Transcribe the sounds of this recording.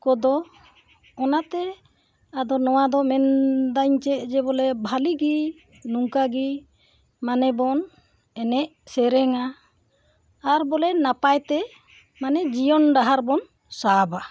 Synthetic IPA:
kɔd̪ɔ | ɔnat̪ɛ | ad̪ɔnɔwad̪ɔmɛnd̪aɲt͡ʃɛʔd͡ʒɛbɔlɛbʱaliɡi | nuŋkaɡi | manɛbɔn | ɛnɛʔsɛɾɛŋa | ɾbɔlɛnapajt̪ɛ | manɛd͡ʒijɔnɖaɦaɾbɔn | saba

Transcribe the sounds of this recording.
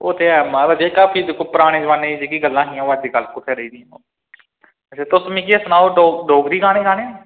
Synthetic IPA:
oːt̪eːɛmãːbəd͡ʒeːkaːpʰiːd̪kopəɾaːɽ̃eːd͡ʒəʋãːneːd͡ʒeːkiːɡəlːãːɦĩːʋad͡ʒd̪iːkəlkʊt̪ʰːeːɾəiːd̪iːã | eːt̪ʊsmĩːk̬iːəsnãːoːɖoːɖoːɡd̪iːɡaːɽ̃eːɡaːneː

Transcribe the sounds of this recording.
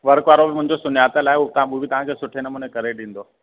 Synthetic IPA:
ʋɐɾkʋaːɾobɪmʊ̃ɦɪ̃ɲd͡ʑosʊnjaːt̪əlaːɪuot̪ɐʋ̤ãɓubɪt̪ɐʋ̤ãkʰeːsʊʈʰenɐmunekɐɾeɗĩːn̆d̪o

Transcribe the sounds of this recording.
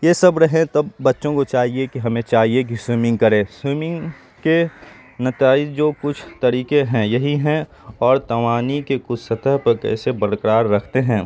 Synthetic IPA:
jesɐbɾɐɦẽt̪ɐbːɐtːʃõkot͡ʃaːɦiekiɦɐmẽt͡ʃaːɦiek̬iswiːmɪ̃ŋɡ̚kɐɾẽːswimɪ̃ŋ | ke | nɐt̪aːɪd͡ʒd͡ʒoːkʊt͡ʃʰt̪ɐɾiːkeɦɛ̃jɐɦiɦɛ̃ | ɔːɾt̪ɐʋaːnikekʊt͡ʃʰsɐt̪ʰəɦpɐkɛ̰ːsebɐɾkɾaːɾːɐkʰt̪eɦɛ̃ː

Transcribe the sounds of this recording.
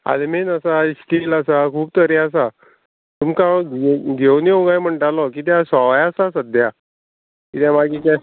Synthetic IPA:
a̰lemenəsaisʈilasakʰuːb̚t̪əɾeas̬a | t̪umkaɡʱewnioɡajm̤əɳʈalɔkiːt̪̬jãsaʋajasasəd̪ʱja | kit̪jãmaɡit͡ɕa

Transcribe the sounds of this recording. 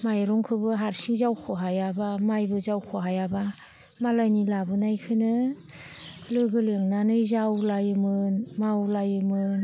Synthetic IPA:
majɾɔŋkʰɯbɯɦaɾsiŋzawkʰɔɦajabamajbɯzawkʰoɦajaba | malanilabɯnajkʰɯnɯ | lɯɡɯleŋnanɯjzawlajɯmɯnmawlajɯmɯn

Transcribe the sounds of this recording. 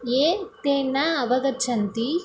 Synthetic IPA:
eːt̪eːnːaɐʋɐɡɐt͡ʃʰɐnt̪i

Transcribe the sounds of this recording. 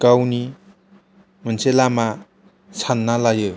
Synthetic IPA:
kawni | mənt͡sʰelama | t͡sʰanːalajɯ

